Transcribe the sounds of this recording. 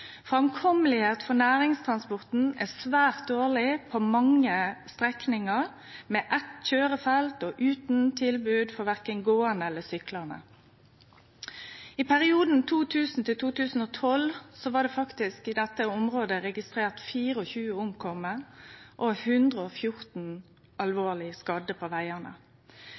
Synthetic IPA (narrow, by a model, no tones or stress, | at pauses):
fʁɛmkʰɔməlɪheːt̪fɔnæːɾɪŋst̪ʰʁɑnspɔʁt̪n̩ɛsʋæːʁt̪̚d̪oːɭɪpʰɔmɑŋːəst̪ʁɛknɪŋəʁ | meːʔɛt̪çøːɾəfɛlt̪ɔʔʉːt̪n̩t̪ʰɪlbʉːd̪fɔɾʋæʁkənɡoːənəɛlːəsʏklənə̰ | ɪpæʁɪuːd̪n̩t̪ʰuːt̪ʰʉːsn̩t̪ʰɪlt̪ʰuːt̪ʉːsn̩oːt̪ʰɔlsɔʋɑːd̪ɛːfɑkt̪ɪskɪd̪ɛt̪ːəʊmʁoːd̪əɾɛɡɪst̪ʁeːʁt̪fiːʁəɔçʉːəʊmkʰɔməʔohʉnd̪ʁəɔfjʊɾt̪n̩ | ʔɑlʋoːlɪskɑd̪əpʰoːʋæɪənə̰